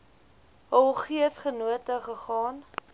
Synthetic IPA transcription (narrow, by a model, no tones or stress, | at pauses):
ɦəχiəsχənuətəχəχɑːn